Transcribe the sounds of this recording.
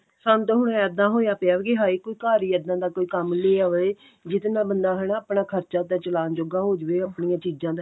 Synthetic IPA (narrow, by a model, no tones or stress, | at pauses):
sənt̪ɦʊɽ̃ɛ̃əd̪ãːɦoːjaːpeaːʋɡeɦaːiːkoːiːkaːɾiːəd̪ãːd̪aːkoːiːkəmleːaʋe | d͡ʒɪt̪nãːbənd̪aːɦɛnãːəpɳãːkʰəɾt͡ʃaːt̪aːt͡ʃəlaːnd͡ʒoːɡaːɦoːd͡ʒʋeːəːpɳiːãːt͡ʃiːd͡ʒãːd̪